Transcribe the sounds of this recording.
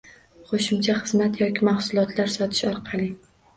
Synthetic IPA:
χoʃɪmt͡ʃʰaχɨzmat̪jɒkʲʰɪmahsʊlˠɒt̪ʰlaɾsɒt̪ʰɪ̥ʃɒɾqʰɑlˠɪ

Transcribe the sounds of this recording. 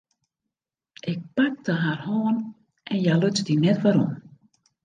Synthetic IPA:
ʔɪk̚pak̚dəɦarhoːn | ʔɛnjaløsdinɛtʋaɾɔm

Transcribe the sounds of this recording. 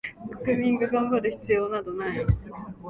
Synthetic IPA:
kɯmʲĩŋɡaɡãmbaɾɯ̟çi̥t͡sɨjo̞ːnad̪onai

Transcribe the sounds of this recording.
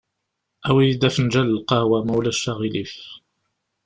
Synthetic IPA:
ʔæwid̪æfnd͡ʒællqɑhwæmuwlæʃːɑɣilif

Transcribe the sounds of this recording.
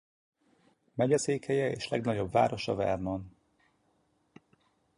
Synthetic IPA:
mɛɟɛseːkhɛjɛeːʃlɛɡnɒɟo̞bva̰ːɾoʃɒvɛ̰rnon

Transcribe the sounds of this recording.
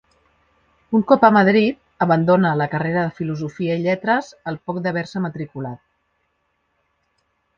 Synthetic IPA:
uŋkɔpəməð̞ɾit̪̚əβənd̪onələkəreɾəðəfiluzufiəiʎɛt̪ɾəzəlˠpɔk̚d̪əβ̞ɛɾsəmət̪ɾikulat̪̚

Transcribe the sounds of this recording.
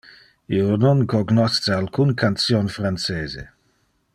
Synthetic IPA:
iononkoɡnɔst͡sealkʰunkansjonfɾant͡seːzḛ

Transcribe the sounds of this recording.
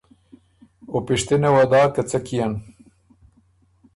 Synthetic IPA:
opiʃt̪enɐwɐd̪aːkɐt͡sɐkijɐn

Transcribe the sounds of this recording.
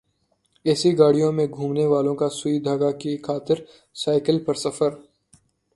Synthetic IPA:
ɛːsiɡaːɽ̤ijõmẽɡʱũːmneʋaːlõkasʊid̪ʱaːɡakikʰaːt̪ɪɾ | saːɪkəlpɐɾsɐfəɾ

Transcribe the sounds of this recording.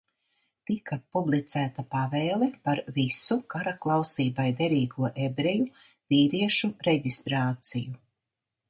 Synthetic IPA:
t̪ikapublˠit̪sæːt̪apavɛːlˠɛpaɾvisukaɾaklˠawsiːbajd̪ɛɾiːɡuɔʔebɾeju | viːɾiɛʃuɾeɟist̪ɾaːt̪siju

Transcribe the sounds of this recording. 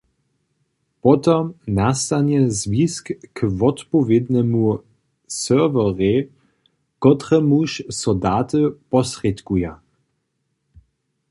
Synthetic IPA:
pɔt̪ɔmnast̪anjɛzviskːvɔt̪pɔvʲjed̪nɛmu | sœvɔʁe | kɔt̪rɛmuʃsɔdaːt̪əpɔsrɛt̪kuja

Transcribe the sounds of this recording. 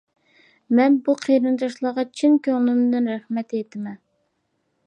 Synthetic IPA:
mɛnbuqʰeɾɨnd̪ɑʃlˠɑʁɑt͡ʃʰinkʲøŋlˠɪnɪd̪ɪnɾæχmɛt̪et̪ʰɪmɛ

